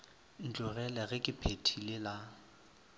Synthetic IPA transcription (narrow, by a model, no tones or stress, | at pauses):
n̩t͡ɬʼʊɣɛlɛɣɪkʼɪpʰetʰilɪla